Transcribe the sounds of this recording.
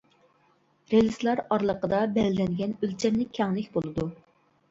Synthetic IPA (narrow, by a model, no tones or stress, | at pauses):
ɾelˠɨslˠɑɾɑɾlˠəqəd̪ɑbɛllɛŋɡʲɛnølt͡ʃʰɛmnɪkʲʰɛŋlɪkʲbolˠɨd̪u